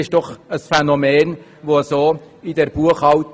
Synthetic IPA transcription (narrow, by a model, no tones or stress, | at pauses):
ɪʃd̥ɔχəsfɛnomeːn | voːsoː | ɪdɛɾb̥uəχɑʊt